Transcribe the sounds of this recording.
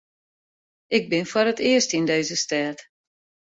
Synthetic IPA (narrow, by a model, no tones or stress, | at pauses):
ɪɡ̚bɪnfɔɾətɪəstindeːzəstɛːt